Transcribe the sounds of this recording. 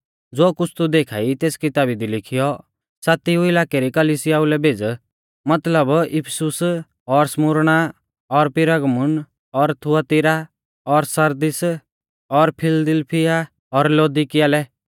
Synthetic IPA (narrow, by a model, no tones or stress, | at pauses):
d͡zoːkʊt͡sʰt̪ud̪eːkʰa̰ːit̪eːskɪt̪aːbid̪ilɪkʰijɔ | saːt̪iuɪlaːkeɾikɐlisɪjaːʊlɛbʱeːd͡z | mɐt̪ləbɪpʰsʊs | ɔɾsmʊɾɽ̃a | ɔɾpɪɾəɡmʊn | ɔɾt̪ʰʊat̪ɪɾa | ɔɾsɐɾd̪ɪs | ɔɾpʰɪld̪ɪlpʰɪja | ɔɾloːd̪ɪkɪjaːlɛ